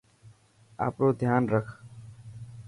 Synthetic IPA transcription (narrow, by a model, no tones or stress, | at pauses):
a̰ːpɾoːd̪ʱjaːnɾəkʰ